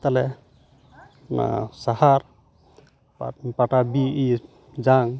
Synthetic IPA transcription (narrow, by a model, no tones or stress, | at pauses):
t̪alɛ | na̰sahaɾ | paʈabii | d͡ʒaŋ